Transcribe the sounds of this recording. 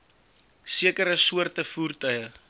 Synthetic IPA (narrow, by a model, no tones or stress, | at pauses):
siəkəɾəsuərtəfuːrtœɥjə